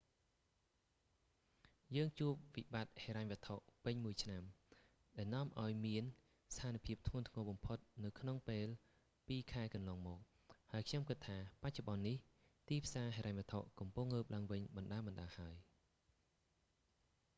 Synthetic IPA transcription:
jəːŋt͡ɕuəp̚ʋiɓat̪̚heːɾaɲʋɨət̪ʰoʔpɨɲmuəjt͡ɕʰnam | ɗaɛlnŏəmʔaɔjmiən | st̪ʰaːnipʰiəp̚t̪ʰŋŭənt̪ʰŋɔːɓɑmpʰot̪̚nɨwkʰnoŋpeːl | piːkʰaɛkɑnlɑːŋmɔːk̚ | haəjkʰɲomkɨt̪ʰːaːpac̚t͡ɕoɓɑnːih | t̪iːpʰsaːɦeːɾaɲʋə̆ət̪ʰːoʔkɑmpuŋləːp̚laəŋʋɨɲɓɑnɗaːɓɑnɗaːhaəj

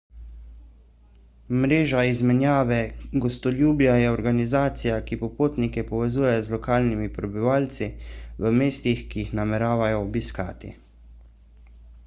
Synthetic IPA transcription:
mɾeːʒaizmɛnjaːʋɛɡɔst̪ɔljuːbjajɛɔɾɡanizaːt̪sijakipɔpoːt̪nikɛpɔʋɛzuːjɛjɔzlɔkaːlnimipɾɛbiʋaːlt̪siʋəmeːst̪ixkijixnamɛɾaːʋajɔːbiska̰ːt̪ḭ

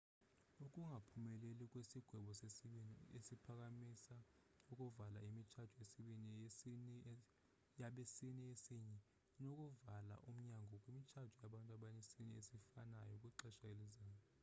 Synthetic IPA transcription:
ukʼuŋʱapʰumɛlɛlikʼwesiɡ̥ʱwɛɓɔsesiɓiniesipʰak̬ʼamisa | ukʼuvala̰imit͡ʃʰad̥ʱɔjesiɓini | jaɓesiniesiɲɛ | nokʼuvala̰ʔum̩ɲaŋɡʱɔkʼwimit͡ʃʰad̥ʱujaɓantʼaɓanesiniesifanajɔkʼwiǁɛʃaelizaːjɔ

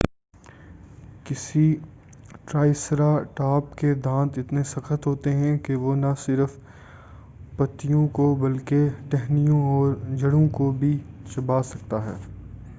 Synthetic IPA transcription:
kɪsi | ʈɾaːɪsɾaʈaːpked̪ãːt̪ɪt̪nesɐxət̪ɦoːt̪eɦɛ̃keʋonɐsɪɾf | pɐt̪ːijõkobɐlkeʈɛɦnijõɔːɾd͡ʒɐɽõkobʱit͡ʃɐbaːsɐkt̪aɦɛ̰ː

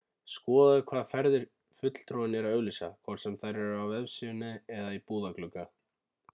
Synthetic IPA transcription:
skɔːðaðʏkʰvaːðfɛɾðɪɾ̥ | fʏt̪l̥t̪ɾɔwɪnɛɾaðœɣlisa̰kʰvɔɾt̪sɛmθaɾɛɾʏawɛvsiːʏnʏɛðaipuːðaklʏkːa

